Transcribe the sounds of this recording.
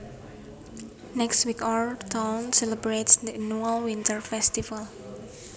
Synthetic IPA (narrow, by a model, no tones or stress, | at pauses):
nɛkstwikɔtʰãwnsɛləbɾetsd̪ənualwint̪əɹfɛst̪ifal